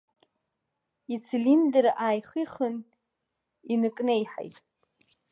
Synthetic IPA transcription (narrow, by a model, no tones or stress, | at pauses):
it͡sʰilindeɾaːjχiχən | inɨkʼnejħa̰jtʼ